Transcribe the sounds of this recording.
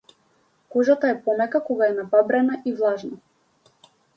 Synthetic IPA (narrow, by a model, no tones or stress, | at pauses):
kɔʒat̪aɛpɔmɛkakɔɡaɛnababɾɛnaʔivlˠaʒna